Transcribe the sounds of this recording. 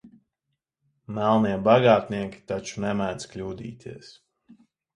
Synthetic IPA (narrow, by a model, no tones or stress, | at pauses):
mælˠniɛbaɡaːt̪niɛkʲi̥t̪at͡ʃunɛmæd̪sklʲuːd̪ḭːt̪ʰiɛs